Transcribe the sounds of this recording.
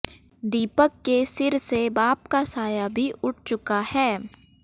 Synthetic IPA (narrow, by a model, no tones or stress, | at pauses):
d̪iːpəkːesɪɾsebaːpkasaːjabʱiʔʊʈ̚ʰt͡ʃʊkahɛː